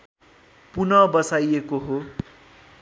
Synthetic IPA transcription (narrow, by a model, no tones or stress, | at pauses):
punʌbʌsajekoɦo